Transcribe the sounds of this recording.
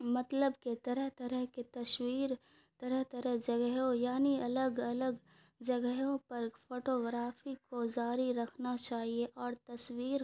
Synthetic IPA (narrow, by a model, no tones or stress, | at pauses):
mɐt̪ləbket̪ɐɾəɦt̪ɐɾəɦket̪ɐʃwiːɾ | t̪ɐɾəɦt̪ɐɾəɦd͡ʒɐɡəɦõjaːniɐləɡɐləɡ | d͡ʒɐɡəɦõpɐɾpʰoːʈoːɡɾaːfikod͡ʒaːɾiɾɐkʰnat͡ʃaːɦieʔɔːɾt̪ɐswiːɾ